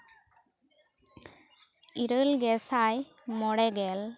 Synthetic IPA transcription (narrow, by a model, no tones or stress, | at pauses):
iɾəlɡɛsaj | mɔɽɛɡɛl